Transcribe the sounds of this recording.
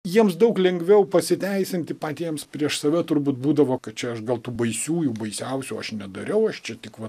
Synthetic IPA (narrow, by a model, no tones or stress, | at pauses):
jiɛmsd̪ɐʊklʲɛŋɡʋʲɛʊpɐsʲɪt̪ʲæɪsʲɪnʲt̪ʲɪpɑːt̪ʲiɛmspʲɾʲiɛʃsɐʋʲɛt̪ʊrbuːt̪buːd̪ɐʋoːkɐt̪̚t͡ʃʲɛɐʃɡɐlˠt̪uːbɐɪsʲuːjuːbɐɪsʲɛʊsʲuːɐʃnʲɛd̪ɐɾʲɛʊɐʃt͡ʃʲɛt̪ʲɪkʋɐ